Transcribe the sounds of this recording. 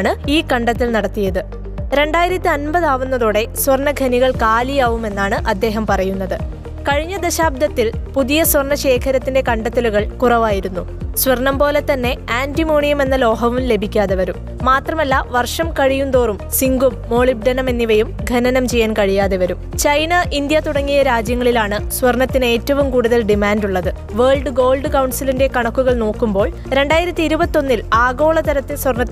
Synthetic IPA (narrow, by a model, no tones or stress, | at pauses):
ɳɨiːkɐɳɖɐt̪ːilnɐɽɐt̪ːijɐðɨ | ɾe̞ɳɖaːjiɾɐt̪ʲːiɐnbɐðaːʋunːɐðoːɽe̞sʋɐrɳɐɡʱɐniɣɐɭkaːlijaːʋume̞nːaːɳɨʔɐd̪ːe̞ːɦɐmpɐrɐjunːɐðɨ | kɐɻiɲːɐd̪ɐɕaːb̚d̪ɐt̪ːilpuðijɐsʋɐrɳɐɕe̞ːkʰɐɾɐt̪ːinde̞kɐɳɖɐt̪ːɐluɣɐɭkurɐʋaːjiɾunːu | sʋɐrnɐmpo̞ːle̞t̪ɐnːe̞aːndimoːɳijɐme̞nːɐlo̞ːɦɐʋumle̞bʱikʲːaːðeʋɐɾumːaːt̪rɐmɐlːaʋɐrʂɐmkɐɻijunt̪o̞ːrumsiŋɡumːo̞ːɭib̚ɖɐnɐme̞nːiʋɐjumɡʱɐnɐnɐmt͡ɕejːaːnkɐɻijaːðeʋɐɾumt͡ɕɐjnɐʔind̪jɐt̪uɽɐŋːijɐɾaːd͡ʑjɐŋːɐɭilaːɳɨsʋɐrnɐt̪ːine̞ːtːɐʋumkuːɽuðɐlɖimaːnduɭːɐðɨ | ʋeːɭɖɨɡo̞ːlɖɨkɐwɳsilinde̞kɐɳɐkːuɣɐɭno̞ːkːumbo̞ːɭ | ɾe̞ɳɖaːjiɾɐt̪ːiiɾubɐt̪ːiːo̞nːilaːɡo̞ːɭɐt̪ɐɾɐt̪ːesʋɐrnɐt̪ː